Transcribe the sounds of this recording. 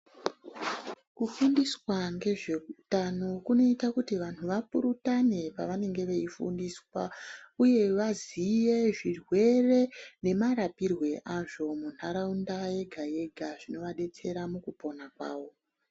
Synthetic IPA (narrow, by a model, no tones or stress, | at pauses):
kufundiswaŋɡe̞ʐe̞utano̞kuno̞itakutiʋanuʋapuɾutane̞paʋane̞ŋɡe̞ʋeifṵndiːswauje̞ʋazijeʐirwe̞re̞ne̞maɾapirwe̞ʔaʐo̞munhaɾaundaje̞ɡʱaje̞ɡʱaʐ̥ino̞ʋaɗe̞t͡se̞ɾamukupo̞nakwa̰ːʋo̞